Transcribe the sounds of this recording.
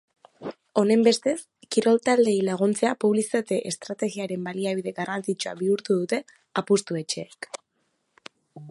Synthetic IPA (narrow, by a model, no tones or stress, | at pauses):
o̞ne̞mbe̞st̪e̞s | kiɾo̞lt̪ald̪e̞ilaɣ̞unt͡se̞apuβlisit̪at̪e̞ʔest̪ɾat̪e̞ɣiaɾe̞mbaliaβiðe̞ɣarant͡sit͡ʃoa̰βiuɾt̪uðut̪e̞ | apust̪ue̞t͡ʃe̞ːk